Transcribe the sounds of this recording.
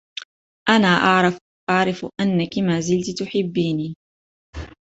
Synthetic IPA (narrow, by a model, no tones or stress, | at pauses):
ʔanaːʔaʕɾ | ʔɑʕɾˤɪfʔanːakɪmaːzɪlt̪t̪ʊħɪbːiːniː